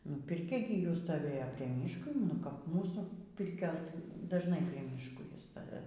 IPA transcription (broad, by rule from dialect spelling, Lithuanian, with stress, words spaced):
ˈnʊ pʲɪrʲˈkʲɛ ɡʲɪ ˈjuː stoːˈʋʲeːjoː pʲrʲiɛ ˈmʲiːʃkoː nʊ kɐp ˈmuːsuː ˈpʲɪrʲkʲoːs dɐʒˈnɐɪ pʲrʲiɛ ˈmʲiːʃkoː ˈjiɛ ˈstɐ